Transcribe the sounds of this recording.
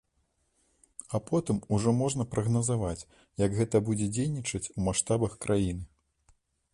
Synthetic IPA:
ɐpɔt̪ɨmuʐɔmɔʐnɐpɾɐɣnɐzavat͡sʲ | jɐɡɣɛt̪ɐbud͡zʲɛd͡zʲejnʲit͡ʂɐt͡sʲumaʂt̪abɐxkɾʔajin̪ɨ

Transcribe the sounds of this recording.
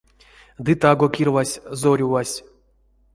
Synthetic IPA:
d̪ɨt̪aɡokʲirvasʲzoɾʲuvasʲ

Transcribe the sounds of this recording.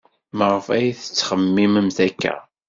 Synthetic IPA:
məʁəfæjθə̥t͡sːχəmːiməmθækːæ̰

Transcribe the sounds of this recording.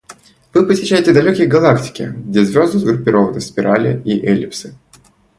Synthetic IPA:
vɨpəsʲɪɕːæjɪtʲɪd̪ɐlʲokʲɪjɡɐlˠaktʲɪ̥kʲɪ̰ɡdʲezʲvʲozd̪ʊzɡɾʊpʲɪɾo̞vənəspʲɪɾʔalʲɪ̰iʔɛlʲɪpsɨ̥

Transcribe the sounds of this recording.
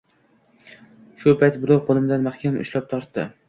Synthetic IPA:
ʃʊpʰajt̪bʊɾɒwqʰolˠɪmd̪anmaχkʲʰamʊ̰ʃlap̚t̪ʰɒɾt̪ːɪ̰

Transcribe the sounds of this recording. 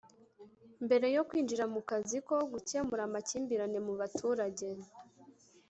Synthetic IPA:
mbe̞ɾe̞jo̞kwiːnd͡ʒiɾamukaziko̞ɡuce̞muɾamaciːmbiɾane̞muβatʰuːɾaɟe̞

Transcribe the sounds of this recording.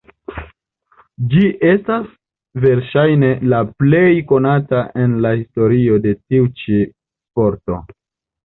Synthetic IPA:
d͡ʒiʔe̞stas | ve̞ɾʃajne̞laple̞jko̞nataʔe̞nlahisto̞ɾio̞de̞tiut͡ʃi | spo̞ɾto̞̰

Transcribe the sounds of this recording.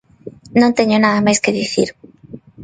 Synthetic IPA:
nõnt̪eɲonaðamajskeðiθḭɾ

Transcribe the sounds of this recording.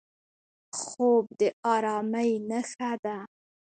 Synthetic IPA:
xob̚d̪əʔɑɾɑməjnəxad̪a

